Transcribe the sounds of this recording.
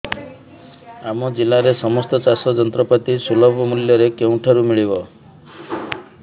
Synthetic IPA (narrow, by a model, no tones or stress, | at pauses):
amɔd͡ʒilaɾesɔmɔst̪ɔt͡ʃasɔd͡ʒɔnt̪ɾɔpat̪isulɔbʱɔmuljɔɾekew̃ʈʰaɾumiɭibɔ